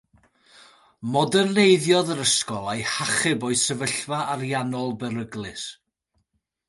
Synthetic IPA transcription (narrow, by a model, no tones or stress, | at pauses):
mɔdənnejðjɔðəɾəskɔlˠajhaχɨbɔɨsəvəɬvaʔaɾjanɔlˠbəɾəɡlˠɨs